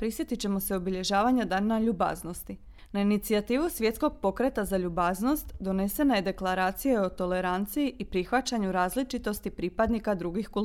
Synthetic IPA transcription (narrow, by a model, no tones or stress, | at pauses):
pɾisjet̪it͡ɕe̞mo̞seo̞biʎe̞ʒaːʋaɲad̪anaʎuba̰zno̞st̪i | nainit̪siat̪iːʋusʋje̞t̪sko̞ɡ̚po̞kɾe̞t̪azaʎubaːzno̞st̪d̪o̞ne̞se̞naje̞d̪e̞klˠaɾaːt̪sijeo̞t̪o̞le̞ɾant̪sijiʔipɾixʋat͡ɕaɲuɾaːzlit͡ʃit̪o̞st̪ipɾipad̪nikad̪ɾuɡixku